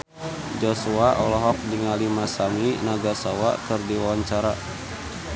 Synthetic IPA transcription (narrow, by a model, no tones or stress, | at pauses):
d͡ʒɔsuaʔɔlɔɦɔk̚diŋalimasaminaɡasawa̰kɨrdiwawaɲt͡ʃaɾa